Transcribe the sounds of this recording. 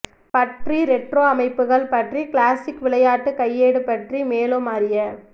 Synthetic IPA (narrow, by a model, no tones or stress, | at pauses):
pɐʈriɾɛʈroːɐmɐɪpːɯɣɐɭpɐʈrikɭaːsɪkʋɪɭɐjaːʈːɯkɐjːeːɽɯpɐʈrimeːlomaːɾɪjɐ